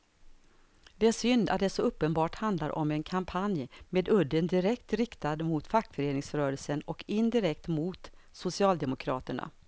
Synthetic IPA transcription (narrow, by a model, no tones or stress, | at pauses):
d̪ɛæʂʏnd̪a̰t̪̚d̪ɛsɔɵpːənbɑːʈhand̪laɾʔɔ̰mɛnkʰampʰanjmeːd̪ɵd̪ːənd̪ɪɾɛkt̪ɾɪkt̪ad̪mʊt̪fakːfœɾeːnɪŋsɾœːɾəlsənɔkɪnd̪ɪɾɛkt̪mʊt̪ | sʊsɪɑːld̪ɛmʊkʰɾɑ̰ːt̪əɳa̰